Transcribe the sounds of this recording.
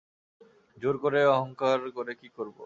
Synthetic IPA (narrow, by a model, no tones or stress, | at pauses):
d͡ʑoɾkoɾeɔɦɔŋkaɾkoɾekikoɾbo̰